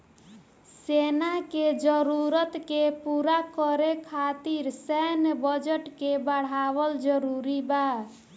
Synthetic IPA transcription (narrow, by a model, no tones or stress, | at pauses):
senaked͡ʒəɾuɾət̪kepuɾakɔɾekʰat̪iɾsɛɦnbəd͡ʒəʈkebəɽ̤abəld͡ʒəɾuɾiba